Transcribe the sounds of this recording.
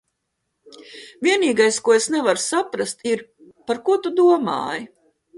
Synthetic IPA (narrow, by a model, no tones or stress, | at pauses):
vʲiɛniːɡajskuɔesnɛvaɾsapɾast̪iɾ | paɾkuɔt̪ud̪uɔma̰ːji